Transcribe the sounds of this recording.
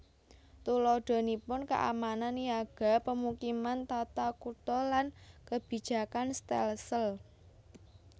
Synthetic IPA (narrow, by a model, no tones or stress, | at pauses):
t̪ulɔɖ̥ɔ̤nipʊnka̰ʔa̰mananjaɡ̥a̤pəmukimant̪at̪akut̪ɔlankəb̥i̤̥ʒ̥a̤kanst̪ɛ̰lsəl